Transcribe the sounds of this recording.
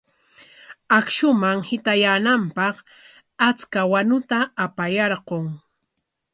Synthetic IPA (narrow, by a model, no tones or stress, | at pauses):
akʃʊmaŋhɪt̪ajanampɑq | at͡skawanʊt̪aːpajɑɾɢoŋ